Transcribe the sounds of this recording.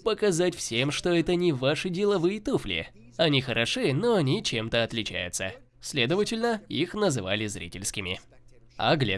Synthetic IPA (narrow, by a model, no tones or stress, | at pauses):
pəkɐzatʲfsʲe̞mʂt̪o̞ɛt̪ənʲɪvaʂɨdʲɪlˠɐvɨjət̪uflʲɪ̰ | ɐnʲixəɾʔɐʂɨno̞ɐnʲit͡ɕemt̪əɐt̪lʲɪt͡ɕæ̰jʊt̪sə̰ | sʲlʲe̞d̪əvətʲɪlʲnəixnəzɨva̰lʲɪzɾʲḭtʲɪlʲskʲɪmʲɪ | ɐ̰ɡlʲḛ